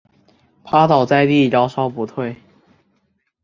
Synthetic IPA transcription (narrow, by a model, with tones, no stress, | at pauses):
pʰa˥t̪ɑ˨˩ʊt͡sa˥˧ɪt̪i˥˩ljɑ˥ʊʂɑ˥ʊpu˧˥t̪ʰwe˥˩ɪ